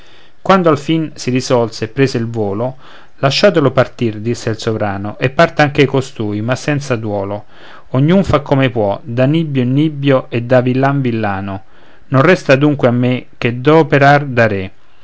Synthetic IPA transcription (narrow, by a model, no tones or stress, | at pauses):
kwand̪oalfinsiɾizɔlseːpːɾeːszeilvoːlo | laʃːaːt̪elopart̪ird̪isːeilsovɾaːnoʔepːart̪aaŋk̟eajkost̪uːjmasːɛnt̪sad̪wɔːlo | oɲːunfakʰːomepwɔd̪anibjonːibːjoʔed̪ːavilːaɱvilːaːno | nonrɛst̪ad̪uŋkweamːek̟ːed̪ɔpeɾard̪aɾe